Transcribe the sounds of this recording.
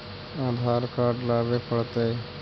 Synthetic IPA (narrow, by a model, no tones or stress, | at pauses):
aːd̪ʱaːɾkaːɾɖlaːbepəɽt̪e